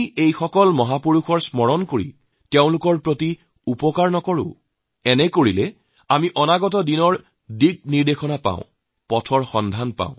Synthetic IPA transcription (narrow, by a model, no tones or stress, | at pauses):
iejxɔkɔlmɔɦapoɹuxɔɹsmɔɹɔnkoɹḭ | teʊ̃lʊkɔɹpɹoti | upɔkaɹnɔkɔɹʊ̰̃ | ɛnɛkoɹilɛ | amiʔɔnaɡɔt̬ɔdinɔɹ | diɡ̚niɹdexʰɔnapã̰ʊ̃ | pɔtʰɔɹxɔndʱanpã̰ʊ̃